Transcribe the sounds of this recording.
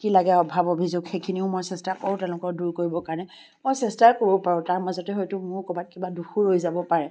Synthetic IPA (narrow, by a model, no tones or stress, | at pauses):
kilaɡɛɔbʱabobʱizoɡxejkʰiniʊmojsɛstakoɹʊ̃tɛʊ̃lʊkɔɹduɹkoɹibɔkaɹnɛ | mojsɛstaɹkoɹɔpaɹʊ̃taɹmazɔtɛɦɔjtʊmʊɹkɔbat̚kibaduxuɹojzabɔpaɹɛ